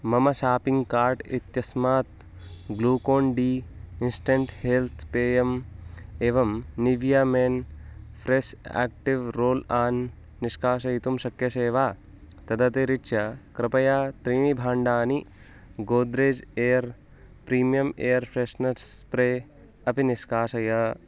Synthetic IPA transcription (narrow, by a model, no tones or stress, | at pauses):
mɐmɐʃaːpiŋɡkaːɾʈit̪jɐsmaːt̪̚ | ɡluːkoːɳɖiːinsʈeɳʈheːlt̪ʰpeːjɐmeːʋɐmniʋjaːmeːnfʰɾeʃa̰ːk̚ʈiʋɾoːlaːnː | iʃkaːʃɐjit̪umʃɐkjɐʃeːʋaː | t̪ɐd̪ɐt̪eɾiʃɐkɾɪpɐjaːt̪ɾiːɳibʱaːɳɖaːni | ɡoːd̪ɾeːd͡ʒeːɐɾ | pɾiːmijɐmeːjɐɾpʰɾeʃnɐɾspɾeː | ɐpiniʃkaːʃɐjɐ